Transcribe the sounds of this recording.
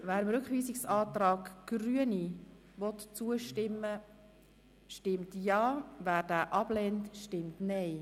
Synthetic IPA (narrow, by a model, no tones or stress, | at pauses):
væːɾəmɾʉkχʋiːsɪksɑːt̪ɾɑːɡɡ̥ɾyəni | vɔt̪t͡suəʃtɪmːə | ʃtɪmtjɑːvæːɾd̥æːʔɑb̥lɛntʃtɪmtnɛj